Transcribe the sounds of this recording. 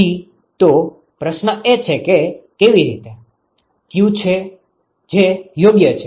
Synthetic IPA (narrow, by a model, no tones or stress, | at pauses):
i | t̪o | pɾəʃnəʔet͡ʃʰekekeʋiɾḭt̪e | t̪jũt͡ʃʰe | d͡ʒejoɡjət͡ʃʰe